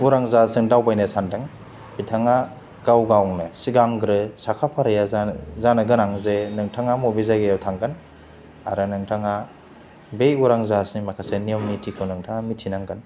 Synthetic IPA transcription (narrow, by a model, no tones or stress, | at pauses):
uɾaŋzasɯŋdawbajnɯsandɯŋ | pʰitʰaŋa | kawɡawnɯsiɡaŋɡɾɯsakʰapʰaɾɯjazzanɯɡɯnaŋzenɯŋtʰaŋamobezaɡejawtʰaŋɡɯn | a̰ɾɯnɯŋtʰaŋa | bejuɾaŋzasnimakʰaseniɔmnitʰikʰɯwnɯŋtʰaŋamitʰinaŋɡɯn